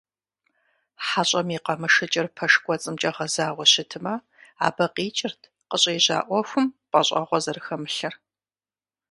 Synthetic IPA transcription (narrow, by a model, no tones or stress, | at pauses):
ħaɕʼɐmiqɐmɨʂɨt͡ʃʼɪrpʰɐʂkʷɔt͡sʼɨmt͡ʃʼɐʁɐzaːʁʷɔɕɪtʰɨmɐ | a̰ːbɐqiːt͡ʃʼɪrtʰ | qəɕʼeːʑa̰ːʔʷɔxʷʊmqɐɕʼɐ̰ʁʷɔzɐrɨxɐmɨɬɐr